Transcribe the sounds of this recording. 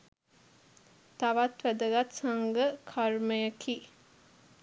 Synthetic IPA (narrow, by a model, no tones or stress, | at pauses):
t̪aʋat̪ʋæd̪əɡat̪saŋɡəkʰarməjəkʰiː